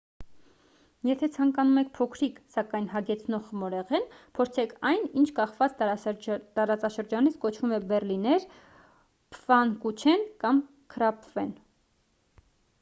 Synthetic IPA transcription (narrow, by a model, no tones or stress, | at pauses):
jɛt̪ʰɛt͡sʰɑŋkɑnumɛkʰpʰɔkʰɾiksɑkɑjnɦɑɡɛt͡sʰnɔʁmɔɾɛʁɛnpʰɔɾt͡sʰɛkʰɑjnint͡ʃʰkɑχvɑt͡s | t̪ɑɾɑt͡sɑʃəɾd͡ʒɑnit͡sʰkɔt͡ʃʰvumɛbɛrlinɛɾ | pʰvɑnkut͡ʃʰɛnkɑm | kʰəɾɑpvɛn